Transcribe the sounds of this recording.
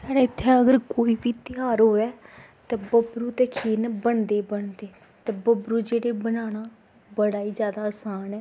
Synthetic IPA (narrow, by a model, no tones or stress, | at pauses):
saːɽaːɪt̪ʰːeəɡəɾkoːiːbiːt̪ɪaːɾɦoːɛː | t̪ɛːbəbɾuːt̪eːkʰiːnbəɳd̪eːbəɳd̪eː | t̪ɛːbəbɾuːd͡ʒeːɽeːbənaːɽ̃aː | bəɽaːiːd͡ʒjaːd̪aːəsaːnɛː